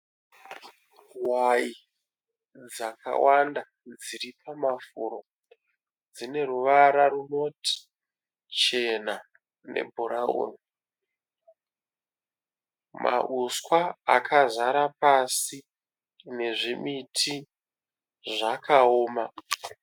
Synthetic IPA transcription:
wai | d͡zakʰa̰wanda | d͡ziɾipʰamafuɾo | d͡zine̞ɾuʋaɾaruno̞tʰi̥ | t͡ʃe̞na | ne̞̰bʱuɾao̰ni | mʔa̰ʔuskwaːkʰazaɾapasi | ne̞ʐimitʰi | ʐakaoːma

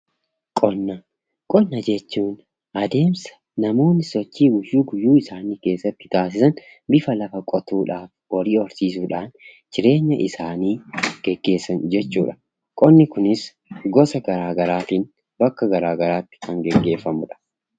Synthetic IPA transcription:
kʼɔnːɐ | kʼɔnːɐd͡ʒɛt͡ʃːuːn | ʔɐd̪e̞ːmsɐ̥ | nɐmo̞ːnːɪsɔt͡ʃːiːɡʊjːuːɡʊjːuːɪsaːniːke̞ːsːɐt̪ːɪ̥t̪aːs̬ɪsɐn | bɪfɐlɐfɐkʼɔt̪uːᶑaːf | wɐɾiːɔɾsiːs̬uːᶑaːn | t͡ʃɪɾe̞ːɲːɐʔɪsaːniːɡ̥ɛɡːe̞ːsɐnd͡ʒɛt͡ʃːṵːᶑɐ̥ | kʼɔnːɪkʊnɪs | ɡɔsɐɡɐɾaːɡɐɾaːt̪iːn | bɐkːɐɡɐɾaːɡɐɾaːt̪ːɪ̥kɐŋɡɛɡːe̞ːfːɐmʊᶑɐ̥

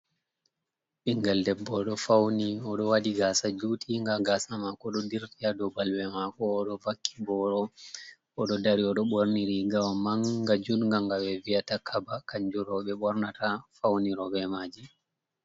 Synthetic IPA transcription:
ɓiŋɡaldɛbːɔɗɔfawniɔɗɔwaɗiɡaːsad͡ʒutʰiŋɡaɡasamakɔɗɔdiɾtiadɔbalwɛmakɔːɗɔvakʰːi̥bɔɾɔ | ɔɗɔdaɾiɔɗɔɓɔɾniɾiɡawamaŋɡad͡ʒunŋɡaŋɡawɛvijatakʰabakaɲd͡ʒuɾɔɓɛɓɔɾnatafawniɾɔbɛmaːd͡ʒi

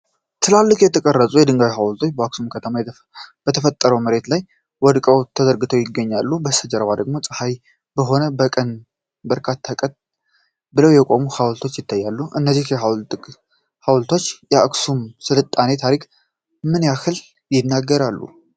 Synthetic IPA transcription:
t̪ʰɨlalːɨkjɛt̪ʰəkʼərːəsʼujɛd̪ɨŋɡawiɦawlt̪ʰo̞t͡ʃːbəaksumkʰət̪ʰəma | bət̪ʰəfət̪ʼːəɾəwməɾe̞t̪laj | wɔd̪kʼəwt̪ʰəzəɾɡɨt̪ʰəwjɪɡːəɲːalːubəsəd͡ʒəɾəβad̪əɡmo̞sʼɨhaj | bəɦo̞nəbəkʼən | bəɾkʰat̪ʰːakʼət̪̚ | bɨləwjɛkʼo̞muhawlt̪ʰo̞t͡ʃːjɪt̪ʰːajːalːuʔɨnːəzːihjɛawʼ | hawlt̪ʰo̞t͡ʃːjɛaksumsɨlɨt̪ʼːane̞t̪ʰaɾik | mɨnjakɨl | jɪnːaɡːəɾalːṵ

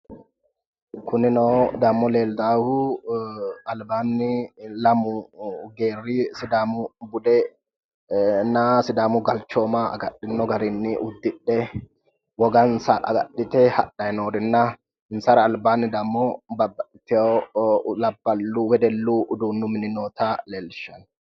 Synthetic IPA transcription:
kʰʊninɔd̪amːɔleːld̪aːhu | albaːnːilamuɡeːrːisid̪aːmubud̪ɛ | nasɪd̪aːmuɡɐlt͡ʃːɔːmaa̰ɡaɗːɪnːɔɡaɾinːiʔud̪ːɪɗːɛ | wɔɡɐnsɐʔɐ̰ɡɐ̰ɗːɪt̪ɛhɐ̰ɗɐjɛnoːdɪnːa | ɪnsɐɾɐːlbaːnːɪd̪ɐmːɔbɐbːɐɪt̪ːɛolɐbːɐlːuwɛd̪ɛlːuʔd̪uːnːʊmɪnɪnoːt̪aleːlʃɐn

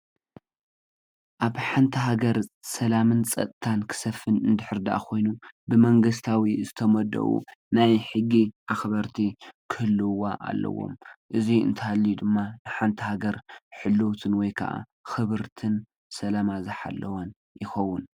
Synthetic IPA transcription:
ʔaβħant̪ʰiɦaɡɐɾsɐlamɨnsʼɐ̰t̪ʼt̪ʰankʰɨ̥sɐfːɨnɨnd̪ɨħɨɾd̪aʔakʰo̞jnubɨmɐŋɡɨs̬t̪ʰawizɨt̪ʰɐmɐd̪ɐ̰ʔṵnajħɨɡːiʔaxbɐɾt̪ʰikʰɨhɨlːɨwaʔa̰lːʔɐ̰wo̰mʔɨziɨ̰nt̪ʰɨhalːid̪ɨmːanɨħant̪ʰihaɡɐɾħɨlːowt̪ʰɨnwɔjkʰɐ̰ʔa̰ | xɨβɨɾt̪ʰɨn | sɐlamazɨħa̰lːɐwɐn | jɪxɐwːʊn

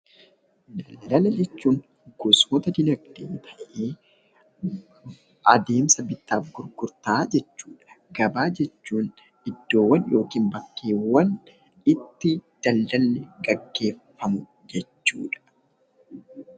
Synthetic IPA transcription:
d̪ɐlːɐlɐd͡ʒɛt͡ʃːuːŋ | ɡ̥ʊsmɔt̪ɐd̪ɪnɐɡd̪eːnt̪ʰɐʔʔeː | ʔɐd̪e̞ːmsɐbɪt̪ːaːfɡʊɾɡʊɾt̪aːd͡ʒɛt͡ʃːuːᶑɐ̥ | ɡɐbaːd͡ʒɛt͡ʃːuːn | ɪd̪ːo̞ːwːɐnjo̞ːkiːmbɐkːeːwːɐn | ɪt̪ːɪd̪̥ɐldɐlːɛɡɐɡːe̞ːfːɐmʊ | d͡ʒɛt͡ʃːṵːᶑɐ̥

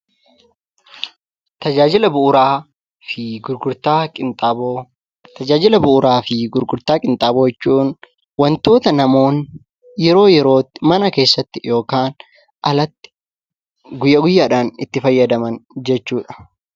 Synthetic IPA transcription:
t̪ɐd͡ʒaːd͡ʒɪlɐbʊʊɾaː | fɪɡʊɾɡʊɾt̪aːɪt̪ʼabo | t̪ɐd͡ʒaːd͡ʒɪlɐbʊʔʊɾaːfɪɡʊɾɡʊɾt̪aːkʼɪnt̪ʼaːboːɛt͡ʃːuːn | wɐnt̪o̞ːt̪ɐnɐmo̞ːn | jɛɾo̞ːjɛɾo̞ːt̪ːɪmɐnɐke̞ːsːɐt̪ːɪjo̞ːkaːn | ʔɐlɐt̪ːɪ̥ | ɡʊjːɐɡʊjːaːᶑaːnɪt̪ːɪfɐjːɐd̪ɐmɐnd͡ʒɛt͡ʃːuːᶑɐ̥

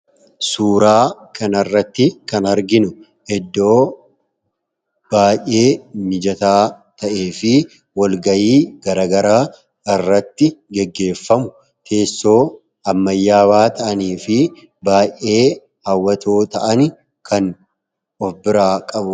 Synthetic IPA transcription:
suːɾaːkɐnɐrːɐt̪ːɪkɐnɐɾɡɪnʊ | ɛd̪ːo̞ː | b̥aːjʔe̞ːmɪd͡ʒɐt̪aːt̪ɐʔeːfɪ | wɐlɡɐjiːɡ̥ɐɾɐːɡɐɾaː | ɪrːɐt̪ːɪɡɛɡːe̞ːfːɐmʊ | t̪ʰe̞ːsːo̞ː | ɐmːɐjːaːbaːt̪ʰɐʔɐniːfɪ | baːje̞ː | hɐwːɐt̪o̞ːt̪ɐʔɐn | kʰɐn | ɔfbɪɾaːkʼɐbʊ

